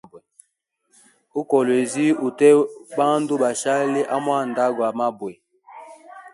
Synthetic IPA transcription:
be˨ | u˦kɔ˨lwe˨zi˦u˨tɛ˦ba˦n˦do˦ɓa˨ʃa˦le˦ʔa˦m˦a˦˨n˨da˦ɡwa˨ma˦bwe˨

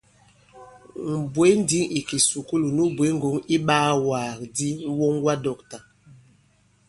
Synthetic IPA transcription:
m̩˨bwe˦n˦di˦ŋi˨ki˨su˨ku˦lu˨nu˦bwe˨˦ŋ˦ɡo˨˦ŋi˦ɓaː˦waː˨kdi˦wo˦ŋwa˦dɔ˨kta˨

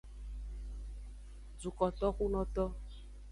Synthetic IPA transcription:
d͡zu˨kɔ˨t̪ɔ˦ku˦nɔ̃˦t̪ɔ˦

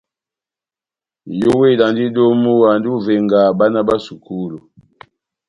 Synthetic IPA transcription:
jo˦we˦˨la˨ndi˦do˦mu˦wa˨ndu˦vɛ˨ŋɡa˨ba˦na˦ba˦su˨ku˦lu˨

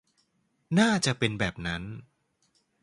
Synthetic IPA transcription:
naː˥˩t͡ɕa˨˩pe˧nbɛː˨˩p̚na˦˥n

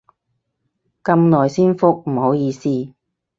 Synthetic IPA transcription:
kɐ˧mnɔː˨˩jsiː˥nfʊ˥k̚m̩˨˩ho˨˥wjiː˧siː˥

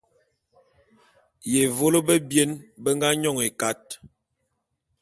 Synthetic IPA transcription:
je˨vo˦lo˦bə˦bje˦nbə˦ŋɡa˦ɲɔ˦˨ŋe˨ka˦t̚

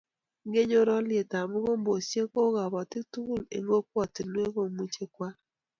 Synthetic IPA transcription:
ŋɡe˦ɲo˦ɾɔ˦lɪ˦e˨ta˨mʊ˦ɣo˦mbo˨sje˦ko˦ɣa˨βɔ˨tɪ˦tu˦˨lḛ˨ŋɡo˦k̚wɔ˨tɪ˨nwe˦ɣo˨mu˦t͡ʃe˦kwa˦

